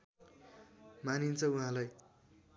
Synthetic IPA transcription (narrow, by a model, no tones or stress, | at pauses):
manint͡sʰʌuɦãlaj